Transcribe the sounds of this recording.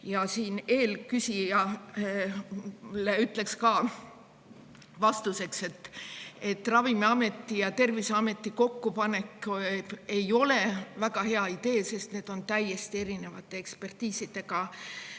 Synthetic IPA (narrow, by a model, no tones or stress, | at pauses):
jɑsiːne̞ːlkysʲijɑ | leyt̪ːˑle̞kskɑ | vɑst̪use̞kse̞t̪ːe̞t̪ːˑrɑvimeɑme̞t̪ˑːijɑt̪e̞rviseɑme̞t̪ːiko̞kːupɑne̞kː | e̞jo̞le̞væɡɑhe̞ɑid̪e̞ːse̞st̪ne̞ːd̪̥o̞nt̪æje̞st̪ie̞ɾine̞vɑt̪ːˑeekspe̞rt̪iːsid̪̥e̞ɡɑ